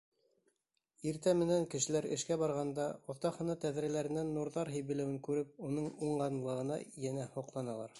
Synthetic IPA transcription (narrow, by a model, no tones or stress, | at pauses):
iɾt̪æmɘ̆næŋkɘ̆ʃɘ̆læɾɘ̰̆ʃkæβɑɾʁɑnd̪ɑŏθt̪ɑhɤ̆nɤt̪æðɾælæɾɘ̆nænːuɾðɑɾɦɘ̆jβɘ̆læwɘŋkʉɾɘp̚unɤɴuɴɢɑnlˠɤ̆ʁɤ̆nɑ̰jænæhoqlˠɑnɑlˠɑ̰ɾ